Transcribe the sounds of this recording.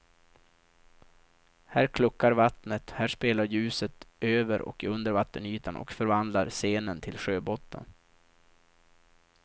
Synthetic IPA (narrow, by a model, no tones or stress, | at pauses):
hæːɾkʰlɵkːaɾvat̪nət̪hæːʂpeːlaɾjʉ̟ːsət̪ʔøːvəɾʔɔ̰kɵnd̪əɾvat̪ːənyːt̪ʰanʔɔ̰kfœɾvand̪laɾseːnənt̪ʰɪlɧøːbɔt̪ːə̰n